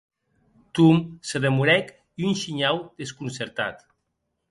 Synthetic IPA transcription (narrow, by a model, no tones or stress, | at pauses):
t̪umsəðemuɾɛk | iunʃiɲawðeskunsəɾt̪a̰t̪